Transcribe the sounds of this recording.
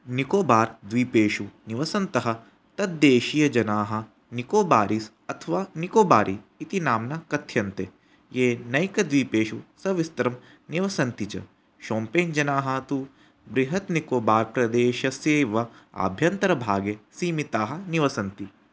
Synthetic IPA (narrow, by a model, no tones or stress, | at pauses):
nikoːbaːɾd̪ʋiːpeːʃuniʋɐsɐnt̪ɐɦɐ̆ | t̪ɐd̪ːeːʃijɐd͡ʒɐnaːɦɐ̆ | nikoːbaːɾis | ɐt̪ʰɐʋaːnikoːbaːɾʔiːt̪inaːmnakɐt̪ʰjɐnt̪e | jeːnɐjkɐd̪ʋiːpeːʃusɐʋist̪ɐɾɐm | niʋɐsɐnt̪it͡ʃɐ̰ | ʃoːmpeːnd͡ʒɐnaːɦɐt̪u | bɾiɦɐt̪nikoːbaːɾpɾɐd̪eːʃɐseːʋɐa̰ːbʱjɐnt̪ɐɾɐbʱaːɡesiːmit̪aːɦɐ̆niʋɐsɐnt̪i